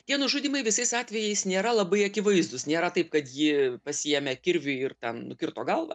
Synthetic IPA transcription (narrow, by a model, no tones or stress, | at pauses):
t̪ʲiɛnʊʒuːd̪ʲiːmɐɪʋʲɪsɐɪsɑːt̪ʲʋʲɛjɛɪsnʲeːɾɐlˠɐbɐɪɐkʲɪʋɐɪzd̪ʊsnʲeːɾɐt̪ɐɪp̚kɐt̪jɪpɐsʲɪjɛmʲɛkʲɪɾʲʋʲʊɪrt̪ʲɛnnʊkʲɪrt̪oːɡɐlˠʋɐ̰